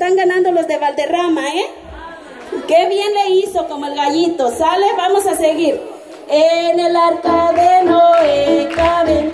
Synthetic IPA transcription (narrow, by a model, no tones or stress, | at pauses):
et̪aŋɡanand̪o̞lo̞zðeβald̪e̞ramae | keβjenle̞iso̞ko̞moelɣaʝit̪o̞saleβamo̞saseɣiɾ | enelaɾkaðenoekaβe